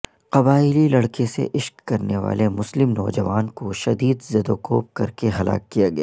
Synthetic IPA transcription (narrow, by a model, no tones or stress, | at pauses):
qɐbaːɪlilɐɽkesḛʔɪʃkːɐɾneʋa̰ːlemʊslɪmnɔːd͡ʒɐʋaːnkoʃɐd̪iːd̪zɐd̪oːkoːp̚kɐɾkeɦɐlʔa̰ːkːijaɡɐjaː